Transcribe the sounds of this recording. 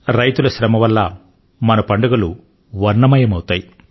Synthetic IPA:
ɾɐjt̪ulɐʃɾɐmɐʋɐlːɐ | mɐnɐpɐɳɖɐɡɐlu | ʋɐɾnɐmɐjɐmɐwut̪aːji

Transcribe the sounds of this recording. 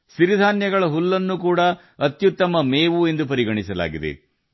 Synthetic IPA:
ʃiɾid̪ʱaːnjɐɡɐɭɐɦulːɐnːukuːɽɐ | ɐt̪jut̪ːɐmɐmeːʋue̞nd̪upɐɾiɡɐɳisɐla̰ːɡid̪ḛ

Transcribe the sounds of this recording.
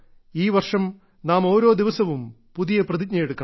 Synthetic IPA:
iːʋɐrʂɐm | naːmo̞ːɾo̞ːd̪iʋɐsɐʋum | puðijɐprɐðid̚ɲɐjeɽukːɐ

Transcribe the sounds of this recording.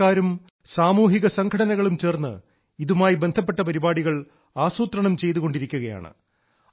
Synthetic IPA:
aːɾum | saːmuːɦiɣɐsɐŋkʰɐɽɐnɐɣɐɭumt͡ɕe̞ːrnːɨ̰ | iðumaːjibe̞nd̪ʱɐp̬ːeʈːɐpɐɾibaːɽiɣɐɭ | aːsuːt̪rɐɳɐmt͡ɕe̞jt̪uɣo̞ɳɖiɾikʲːuɣɐja̰ːɳɨ̰

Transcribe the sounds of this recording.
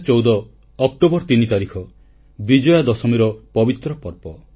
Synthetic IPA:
t͡ʃɔwd̪ɔː | k̚ʈobɔɾt̪init̪aɾikʰɔ | bid͡ʒɔjad̪ɔsɔmiɾɔpɔbit̪ɾɔpɔɾpɔ

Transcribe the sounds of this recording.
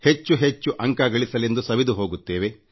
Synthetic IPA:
het͡ʃːuɦet͡ʃːuʔɐŋkaɡɐɭisɐle̞nd̪usɐʋid̪uɦo̞ːɡut̪ːe̞ːʋe̞

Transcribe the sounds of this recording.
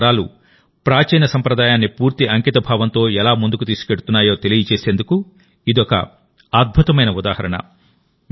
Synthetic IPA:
ɾaːlu | pɾaːt͡ʃɛjnɐsɐmpɾɐd̪aːjaːnːipuːɾt̪iʔɐŋkit̪ɐbʱaːʋɐnt̪o̞ːɛlaːmund̪ukut̪iːsu̥keɽut̪unːaːjo̞ːt̪elijɐt͡ʃeːse̞ːnd̪uku | id̪iɔkɐ̰ | aːd̪̚bʱut̪ɐmɐjnɐud̪a̰ːhɐɾɐɳɐ̰

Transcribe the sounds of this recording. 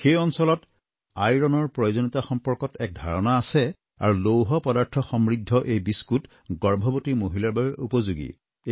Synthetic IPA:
xejɔnsɔlɔt | ajɹɔnɔɹpɹɔjozonitaxɔmpɔɹkɔtɛk̚dʱaɹɔnaːsɛ | a̰ɹulowɦɔpɔdaɹtʰɔxɔmɹidʱːɔʔejbiskut | ɡɔɹbʱɔbotimoɦilaɹbabɛʔupɔzuɡḭ

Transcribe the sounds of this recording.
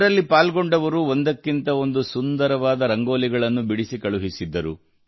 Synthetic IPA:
ɾɐlːipaːlɡoɳɖɐʋɐɾuond̪ɐkːint̪ɐo̞nd̪usund̪ɐɾɐʋaːd̪ɐɾɐŋɡo̞ːliɡɐɭɐnːubiɽisikɐɭuɦisid̪ːɐɾu

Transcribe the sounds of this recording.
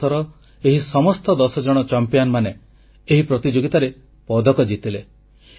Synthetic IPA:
ɔɾɔ | eɦisɔmɔst̪ɔd̪ɔsɔd͡ʒɔɽ̃ɔt͡ʃɔmpijanmane | eɦipɾɔt̪id͡ʒoɡit̪aɾe | pɔd̪ʱɔkɔd͡ʒit̪ile

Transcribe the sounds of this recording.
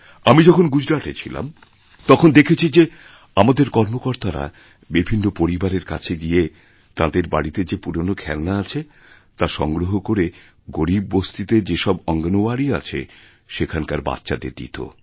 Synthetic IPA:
amid͡ʑɔkʰonɡud͡ʑɾaʈet͡ɕʰila̰m | t̪ɔkʰond̪ekʰet͡ɕʰid͡ʑe | amad̪eɾkɔɾmokoɾt̪aɾa̰ | bibʱinːopoɾibaɾeɾka̰t͡ɕʰeɡije | t̪ãd̪eɾba̰ɽit̪ed͡ʑepuɾonokʰɛlnaat͡ɕʰe | t̪aʃɔŋɡɾoɦokoɾe | ɡoɾib̚ːost̪it̪ed͡ʑeʃɔbɔŋɡanoaɽiat͡ɕʰḛ | ʃekʰankaɾba̰t̪ːɕad̪ḛɾd̪ḭt̪ʰo̰

